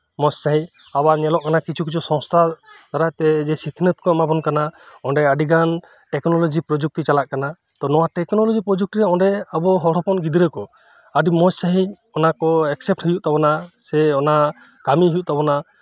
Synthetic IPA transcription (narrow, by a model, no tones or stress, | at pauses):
mɔssaɦĩ | abaɲɛlɔʔkanakit͡ʃʰukit͡ʃʰusɔ̃ŋst̪ʰat̪ɔɾat̪ɛd͡ʒɛsikʰnət̪̚kɔɛmabɔnkanaɔɳɖɛaɖiɡan | ʈɛknɔlɔd͡ʒipɾɔd͡ʒuk̚ʈit͡ʃalaʔkana | t̪ɔnɔwaʈɛknɔlɔd͡ʒipɾɔd͡ʒuk̚ʈiɾɛɔɖɛabɔɦɔɽɔpɔnɡid̪iɾɛkɔ | aɖimɔssaɦĩ | ɔnakɔɛksɛp̚ʈhɔjuʔt̪abɔnasɛɔna | kamiɦujuʔt̪abɔna